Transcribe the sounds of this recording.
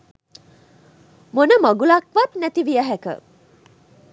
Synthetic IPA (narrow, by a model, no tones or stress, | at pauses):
monəmɐɡulakʋat̪næt̪iʋijəɦækə̰